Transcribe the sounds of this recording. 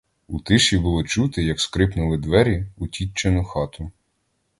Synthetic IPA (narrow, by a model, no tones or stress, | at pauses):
ut̪ɪʃibʊlˠɔt͡ʃut̪ɪjɐkskɾɪpnʊlˠɪd̪ʋɛɾʲiʊtʲit͡ʃːenʊxɑt̪ʊ